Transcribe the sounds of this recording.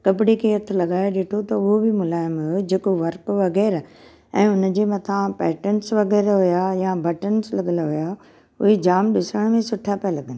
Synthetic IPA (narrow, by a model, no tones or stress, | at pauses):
kɐpɪɽikʰeɐɾt̪ʰʊ̆lɐɠaːeɗeːʈʰot̪ɐʊɦobʱɪmʊlaːɪmɦʊjod͡ʑeːkoʋɐɾkʋɐɣɛːɾ | ɛ̰̃ːʊn̆d͡ʑeːmɐt̪ʰãpɛːʈəɳsʋɐɣɛːɾɦʊjajabɐʈənslɐɠəlaɦʊja | ʊ̰ɦed͡ʑaːmɗɪsəɽ̃mẽsʊʈʰapalɐɡənɪ̆